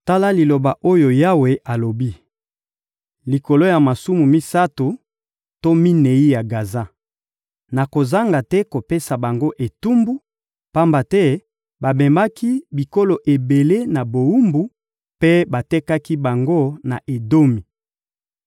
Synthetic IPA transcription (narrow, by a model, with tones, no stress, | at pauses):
ta˦la˦li˨lo˨ba˨ʔo˦jo˨ja˦we˨ʔa˨lo˨bi˦ | li˨ko˨lo˦ja˨ma˨su˦mu˨mi˦sa˦tu˨ | to˦mi˦ne˨i˦ja˨ɡa˨za˦ | na˨ko˨za˦ŋɡa˨tɛ˦ko˨pe˦sa˨ba˨ŋɡo˦ʔe˨tu˦mbu˦ | pa˦mba˨tɛ˦ | ba˨be˨ma˦ki˦bi˨ko˦lo˨ʔe˨be˨le˦na˨bo˨u˦mbu˨ | pe˦ba˨tɛ˦ka˦ki˦ba˨ŋɡo˦na˨ʔe˨do˦mi˨